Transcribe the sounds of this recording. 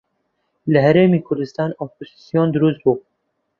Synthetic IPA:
lɨɦæɾeːmiːkʰʊɾd̪ɨst̪ɑːnopʰosisijoːnd̪ʊɾust̪̚buː

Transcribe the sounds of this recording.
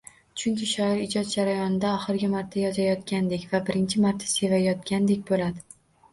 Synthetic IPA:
t͡ʃʰʊŋkʲɪʃaɾɒɾɪd͡ʒɒt̪̚d͡ʒaɾajɒnɪd̪aɒχɨɾɡʲɪmaɾt̪ʰːajɒzajɒt̪kʲand̪e̞kʲvabɪɾɪnt͡ʃʰɪmaɾt̪ʰːḁse̞vajɒt̪̚ɡʲand̪e̞kʲbolad̪ɪ

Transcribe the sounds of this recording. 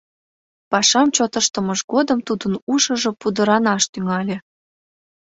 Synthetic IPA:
pɑʃɑmt͡ɕot̪əʃt̪əməʃɡod̪əmt̪ud̪ənuʃəʒopud̪əɾɑnɑʃt̪yŋɑlʲe

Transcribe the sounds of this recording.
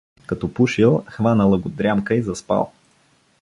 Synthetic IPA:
kɐt̪ɔpuʃilˠxvanəlˠəɡʊd̪ɾʲamkəizɐspa̰lˠ

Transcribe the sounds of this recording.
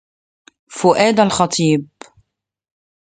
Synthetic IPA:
fʊʔæːd̪alxɑt̪ˤʰiːb

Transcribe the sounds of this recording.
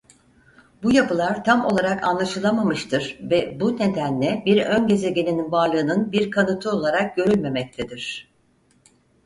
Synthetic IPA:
bujapʰɯlˠaɾt̪ʰamo̞lˠaɾakʰa̰nlˠaʃɯlˠamamɯʃt̪ʰɯɾ̥vɛbune̞d̪ænlʲɛbiɾønɟe̞ze̞ɟe̞nʲininvaɾlˠɯːnɯnbiɾkʰanɯt̪ʰɯo̞lˠaɾak̚ɟ̥ø̞ɾylʲme̞mɛc̚t̪ʰed̪iɾ̥

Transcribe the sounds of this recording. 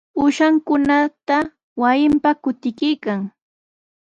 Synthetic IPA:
ʊʃaŋkʊnat̪a | wajɪmpakʊt̪ɪkɪjkaŋ

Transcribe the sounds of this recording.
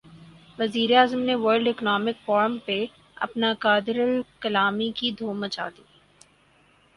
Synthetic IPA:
ʋɐziːɾeaːzəmneʋəːɾɖɪknɔːmɪkfɔːɾəmpe | ɐ̰pnakaːd̪ɪɾəlkɐlaːmikid̪ʱoːmət͡ʃa̰ːd̪iː

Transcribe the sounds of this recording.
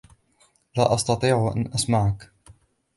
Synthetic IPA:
laːʔɑst̪ɑt̪ˤiːʕʔa̰nʔasmaʕak

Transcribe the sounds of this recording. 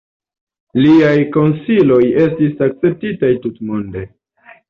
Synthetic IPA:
liajko̞nsilo̞je̞stisak̚t͡se̞p̚titajtutmonde̞

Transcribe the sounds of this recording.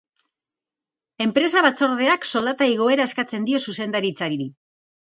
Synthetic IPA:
e̞mpɾe̞saβat͡so̞ɾðe̞akso̞ld̪at̪aiɣ̞o̞e̞ɾae̞skat͡se̞nd̪io̞suse̞nd̪aɾit͡saɾiɾi

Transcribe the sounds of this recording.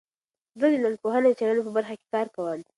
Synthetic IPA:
zəd̪ənanpoɦanad̪ət͡ʃalanop̬əbaɾxake̥kɑɾkawəm

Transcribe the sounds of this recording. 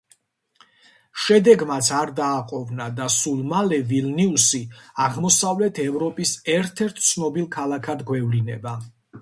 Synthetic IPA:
ʃɛd̪ɛɡmat̪sʰaɾd̪aːqʼɔvnad̪asulˠmalɛvilniusiaʁmɔsavlɛt̪ʰɛvɾɔpʼisɛɾt̪ʰɛɾt̪ʰt̪sʰnɔbilˠkʰalˠakʰad̪ɡwɛvlinɛba

